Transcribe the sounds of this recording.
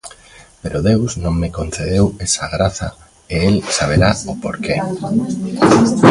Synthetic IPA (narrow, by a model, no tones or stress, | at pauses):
peɾʔoðewsnõŋmekon̟θeð̞ewesaɣɾaθɐ̰ | eelsaβ̞eɾaʊpoɾke